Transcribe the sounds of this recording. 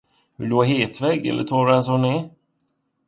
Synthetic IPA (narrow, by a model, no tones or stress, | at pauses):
hɵloɦeːt̪vɛɡɛ̰lːʔə̰tʰɔɾɛns̬ɔneː